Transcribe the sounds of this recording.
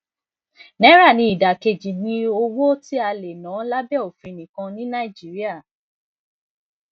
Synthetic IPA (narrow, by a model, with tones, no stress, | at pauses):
nɛ̃˦ɾa˦˨nĩ˧˦i˨da˨ke˧˨d͡ʒi˨nĩ˧˦o˧wo˦ti˦a˧le˨nã˨˦la˦bɛ˦˨o˨fĩ˨˧˨nĩ˨kã˧nĩ˦nã˦i˨d͡ʒi˨˦ɾi˦a˦˨